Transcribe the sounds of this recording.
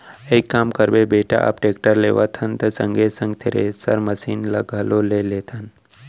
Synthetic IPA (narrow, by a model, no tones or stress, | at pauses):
eikːaːmkəɾbebeːʈa̰ʔa̰pʈeːkʈəɾleːʋat̪ʰɐnt̪ɐsəŋɡesə̃ŋɡ̚t̪ʰeɾḛsɐ̰ɾməsiːnləɡʱaːloleleːt̪ʰən